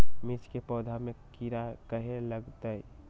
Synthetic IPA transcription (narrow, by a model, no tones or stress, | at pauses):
mɪt͡ʃkepɔːd̪ʱamẽkiɾakəɦeləɡt̪əi